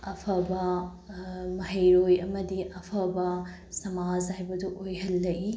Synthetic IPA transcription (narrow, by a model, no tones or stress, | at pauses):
ɐpʰɐbɐ | mɐɦɐjɾojɐmɐdiɐpʰɐbɐ | sɐmazhajbɐduʔojɦɐlːɐʔi